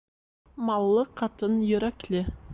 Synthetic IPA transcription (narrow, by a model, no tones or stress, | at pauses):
mɑlˠːəqʰɑt̪ənjɵɾɑkʲle